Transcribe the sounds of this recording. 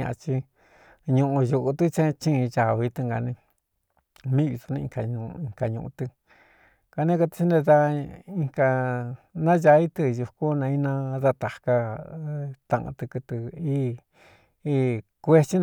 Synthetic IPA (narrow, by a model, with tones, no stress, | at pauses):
ã̰˧ʔa˧t͡ʃi˧ | ɲũ˧ʔũ˧ju˧ʔu˧t̪u˦t͡ʃẽ˦˧t͡ʃĩ˦˧t͡ʃa˨βi˧t̪ɨ˧ŋɡa˨nĩ˧ | mĩ˦˧i˧su˧nĩ˧ĩ˧ka˧ɲũ˧ĩ˧˨ŋka˧ɲũ˧˨ʔṵ̃˧t̪ɨ˧ | ka˧nẽ˦ka˧t̪i̥˧t͡ʃi˦nẽ˧ða˦˧ĩ˧ka˧nã˦ʒa˧˦i˦t̪ɨ˧ju˧ku˦nã˧i˦nã˦ða˧t̪a˨ka˧ | t̪ã̰˧ʔã̰˧t̪ɨ˧kɨ˧t̪ɨ˧i˦ | i˧kʷe˧t͡ʃi˦